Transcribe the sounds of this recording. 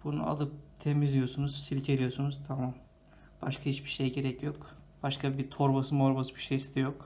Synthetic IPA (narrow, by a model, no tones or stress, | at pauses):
b̥unṵa̰lˠɯp̚t̪ʰemizlʲijo̞sunuz̥silʲcʰe̞lʲijosunuz̥t̪ʰamam | b̥aʃkʰahit͡ʃbiʃejɟe̞ɾɛcʰjo̞kb̥aʃkabit̪ʰo̞ɾbasɯmoɾbasɯbiʃejsid̪ɛjo̞k